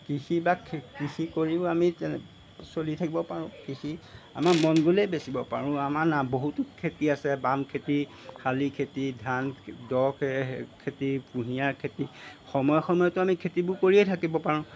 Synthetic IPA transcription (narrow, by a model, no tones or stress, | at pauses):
kixibakʰkixikoɹibamitɛ | solitʰakibɔpaɹʊ̃kixʰi | a̰maɹmɔnɡulɛjbesibɔpaɹʊ̃amaɹnaboɦutʊkʰetiasɛbamkʰeti | kalikʰetidʱandɔkʰɛkʰetipuɦijaɹkʰetixɔmɔjɔxɔmɔjɔtʊamikʰetibʊkoɹiɛtʰakibɔpaɹʊ̃